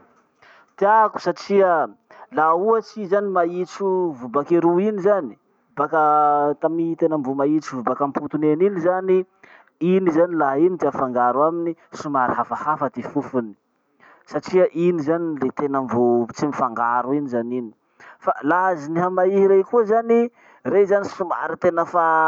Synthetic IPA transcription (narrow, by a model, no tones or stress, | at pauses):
t̪iaku̥saʈ͡ʂiə | lauət͡sizanimait͡suvubakeɾuinizani̥ | bakət̪amit̪enəmvumait͡suvubakamput̪uneninizani | inizanilainit̪iafaŋɡaɾuaminisumaɾiɦafəhafəd̪efufuni̥ | saʈ͡ʂiəʔinizanilet̪enəmvut͡simifaŋɡaɾuinizanini̥ | falaziniɦamaiɦiɾejkuazani | rezanisuma̰ɾit̪enəfa